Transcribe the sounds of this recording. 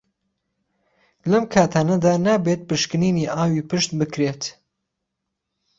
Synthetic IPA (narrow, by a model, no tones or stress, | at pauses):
lɐmkʰaːt̪ʰaːnɐd̪aːnaːbet̪̚pɨʃkɨniːniːʔaːwiːpɨʃt̪bɨkɾeːt̪